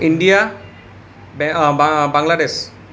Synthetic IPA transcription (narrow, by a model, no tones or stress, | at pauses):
inɖija | bɛbbaŋlades